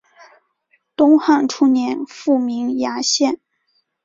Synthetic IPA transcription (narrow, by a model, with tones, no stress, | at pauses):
t̪ʊ˥ŋxɑ˥˩ŋʈ͡ʂʰu˥njɛ˧˥nfu˥˩mi˧˥ŋja˧˥ɕjɛ˥˩n